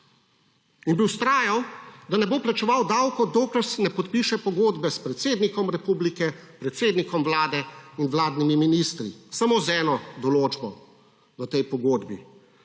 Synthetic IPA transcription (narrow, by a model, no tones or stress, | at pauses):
inbiwst̪ɾaːjawd̪anɛboplat͡ʃɛʋawd̪awkɔd̪oklɛɾsɛnɛpɔt̪piʃɛpɔɡoːd̪bɛspɾɛt̪seːd̪nikɔmɾɛpublikɛpɾɛt̪seːd̪nikɔmwlaːd̪ɛinʋlaːd̪nimiminist̪ɾisamozɛːnɔd̪ɔloːd͡ʒbɔ | ʋət̪ɛjpɔɡoːd̪bḭ